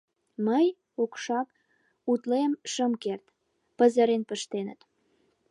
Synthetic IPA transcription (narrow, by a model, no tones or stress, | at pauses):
məj | okʃɑk | ut̪lemʃəmkert̪ | pəzəɾenpəʃt̪enət̪